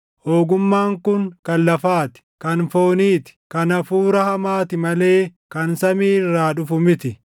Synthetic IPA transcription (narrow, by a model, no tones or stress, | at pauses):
hoːɡʊmːaːŋkʊŋkɐnlɐfaːt̪ɪ̥kɐnfo̞ːniːt̪ɪ̥kɐnɐfuːɾɐhɐmaːt̪ɪmɐle̞ːkɐnsɐmiːɪrːaːᶑʊfʊmɪt̪ɪ